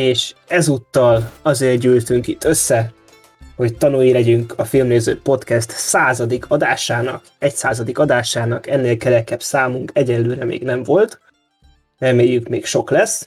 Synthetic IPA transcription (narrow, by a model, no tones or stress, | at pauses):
eːʃɛzut̪ːɒlɒzeːrɟyːlt̪yŋkit̪ʰːø̞sːɛ | ho̞ct̪ɒnujilɛɟyŋkʰɒfilmneːzø̰ːpo̞t̪kɛst̪saːzɒd̪ikʰɒd̪aːʃaːnɒ̰k | ɛcsaːzɒd̪ikɒd̪aːʃaːnɒkɛnːeːlkɛɾɛkɛbsaːmuŋkɛɟɛnløːɾɛmḛːɡnɛɱvo̞lt̪ | rɛmeːjːykmeːkʃo̞klɛs